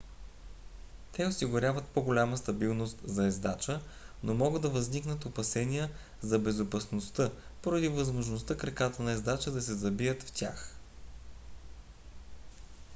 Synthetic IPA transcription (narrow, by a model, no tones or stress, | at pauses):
t̪ɛosiɡʊɾʲavət̪̚poɡolʲaməst̪ɐbilˠnost̪zɐɛzd̪at͡ʃə | nomɔɡəd̪d̪ːɐvəzniknət̪opɐsɛniə | zɐbɛzʊpɐsnost̪ɤpoɾɐd̪ivəzmoʒnost̪ɤkɾɛkat̪ənɐɛzd̪at͡ʃəd̪ɐsɛzɐbiət̪ft̪ʲax